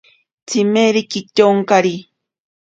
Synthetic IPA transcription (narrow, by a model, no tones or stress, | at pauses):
t͡simeɾikicoŋkaɾi